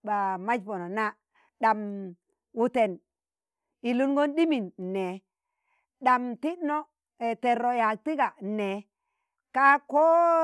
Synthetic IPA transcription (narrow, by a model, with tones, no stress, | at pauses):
ba˨ma˦d͡ʒpo˨no˨na˦ | ɗa˨m | wu˨te˨n | i˨lu˦nɡo˦nɗi˦mi˨nːe˨ | ɗa˨mti˦ɗno˦ | e˨te˨ɾo˨ja˨k̚ti˦ɡa˨ne˨ | ka˦ko˦